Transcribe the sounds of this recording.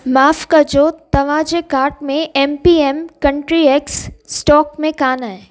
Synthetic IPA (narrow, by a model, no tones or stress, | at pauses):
maːfkad͡ʒoːt̪ːɐʋãd͡ʒekaːɾʈmẽʔeːmpiːemkɐ̃ɳʈɾieksːʈɔːkmẽkaːnaɦɛ